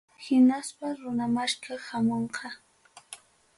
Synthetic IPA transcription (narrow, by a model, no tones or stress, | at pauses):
hɪnaspaɾʊnamaʃkahamoɴqʰɑ